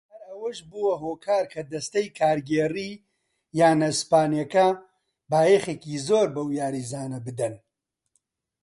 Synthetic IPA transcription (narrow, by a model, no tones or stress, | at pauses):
hɐɾɐwɐʃbuwɐɦoːkʰaːɾkʰɐd̪ɐst̪ɐjkʰaːɾɡeːriː | jaːnɐspaːnjɐkɐ | baːjeχeːkiːzoːɾbɐwjaːɾizaːnɐbɨd̪ɐn